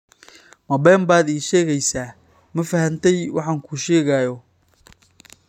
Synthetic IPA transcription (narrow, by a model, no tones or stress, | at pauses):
mɐbɛːmbaːd̪iːʃɛːɣɛjsaː | mɐfɐhɐnt̪ʰɛjwɑ̰ħɑːŋkʰuːʃɛːɣaːjɔ